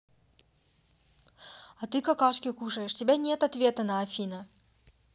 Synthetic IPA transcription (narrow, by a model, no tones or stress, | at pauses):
ɐt̪ɨkɐkaʂkʲɪkuʂəjɪʂtʲɪbʲanʲet̪ɐt̪vʲet̪ənɐɐfʲinə